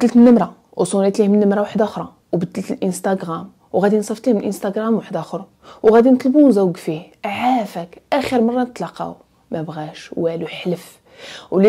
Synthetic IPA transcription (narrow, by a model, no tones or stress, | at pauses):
d̪ːəlt̪ənːəmɾˤa | wsˤunit̪lihmnːəmɾˤɑwaħd̪æxɾˤɑ | wbəd̪ːəlt̪əlʔənst̪ɑɡɾæm | wɣæd̪insˤɑft̪lihmlʔənst̪ɑɡɾɑmwaħd̪æxəɾˤ | wɣæd̪int̪ˤlbuzæwɡfiʕafækʔæxiɾmɑrˤːɑnət̪ˤlɑqɑ̰w | mæbɣæʃwæluħləf | wli